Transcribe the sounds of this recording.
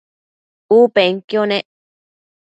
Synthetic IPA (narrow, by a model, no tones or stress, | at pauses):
upeŋkjonẽʔ